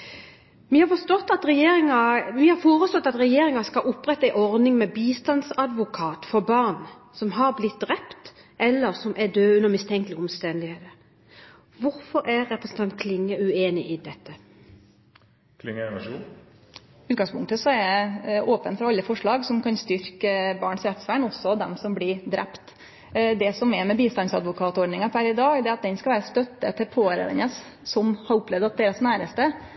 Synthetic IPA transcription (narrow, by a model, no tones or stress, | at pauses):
ʋihɑɾfɔst̪ɔt̪ːɑt̪ɾɛjeːɾɪŋɑʋihɑɾfoːɾəslɔt̪ːɑt̪ɾɛjeːɾɪŋɑskɑʔʊpːɾɛt̪ːəæɪʔɔɾd̪ɪŋmɛbiːst̪ɑnsɑd̪ʋʊkʰɑːt̪fɔbɑʁn | sɔmɦɑɾblɪt̪̚d̪ʁɛpt̪ | ʔɛlːəɾsɔmʔæd̪øːʉnːəʁmɪst̪ʰɛŋk̪lɪɔmst̪ɛnd̪ɪheːt̪ə | ʋʊɾfɔɾʔæɾːɛpɾəsn̩t̪ɑnt̪̚kʰlɪŋːəʉeːnɪʔɪd̪ɛt̪ːə | kʰlɪŋːəɛnɑʂuːn | ʉːt̪̚ɡɑŋspʰʊŋkt̪əsɔɛɾæʔoːpənfɾɑɾɑlːəfɔʂɭɑːɡsɔmkɑnst̪ʏɾkəbɑːɳsɾɛft̪sʋæːɳɔsɔd̪ɛmsɔmblɪɾd̪ɾɛpt̪ | d̪ɛsɔmɛmɛbiːst̪ɑnsɑd̪ʋʊkʰɑːt̪ɔɖɳɪŋɑpʰæɾɪd̪ɑːɡd̪ɛɑt̪̚d̪ɛnskɑʋæːɾəst̪œt̪ːət̪ʰɪlpʰoːɾə̰ʋə̰nəssɔmhɑɾʊplɛʋd̪ɑt̪̚d̪eːɾəsnæːɾəst̪ə